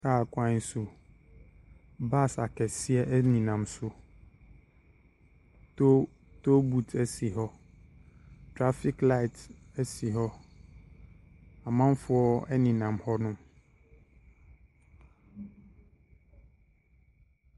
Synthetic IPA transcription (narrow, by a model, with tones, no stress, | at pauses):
kaː˦˨kʷã˦n˦sʊ˦ | ba˦˨sa˨kɛ˨sɪ˦ɛ˦nĩ˨nã˨msʊ˦ | to˦ | to˦bu˨tʰɛ˦si˨ɦɔ˦ | tʰɾa˦fi˦kla˦ɪ˨t | ɛ˦si˨ɦɔ˦ | a˨mã˦mfʊ˦ɔ˦ɛ˦nĩ˨nã˨mhɔ˦nʊ̃˦m